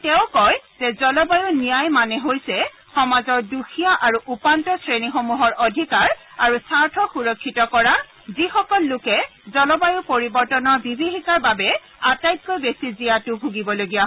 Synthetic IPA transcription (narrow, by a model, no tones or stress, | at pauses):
tɛʊ̃kɔjzɛzɔlɔbajunijajmanɛɦojsɛ | xɔmazɔɹduxʰijaʔaɹuʔupantɔsɹenixomuɦɔɹodʱikaɹ | aɹusaɹtʰɔxuɹɔkʰːitɔkɔɹa | zixɔkɔlːʊkɛzɔlɔbajʊpoɹibɔɹtɔnɔɹbibʱiɦikaɹbabɛ | atajt̚kojbesizijatʊbʱuɡibɔloɡijaɦ